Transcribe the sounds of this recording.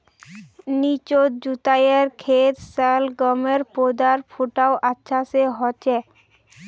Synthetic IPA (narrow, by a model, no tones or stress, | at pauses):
nit͡ɕot̪d͡ʑut̪ajeɾkʰet̪salɡɔmeɾpod̪aɾfʰuʈaoʔatːʃʰaseɦɔt͡ɕe